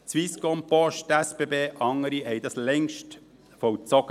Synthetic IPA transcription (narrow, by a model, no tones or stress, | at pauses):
t͡sʋiskɔmpɔʃtɛspebeːʔɑŋːəɾihɛɪd̪ɑslɛŋʃt | fɔwt͡sɔɡ̥ə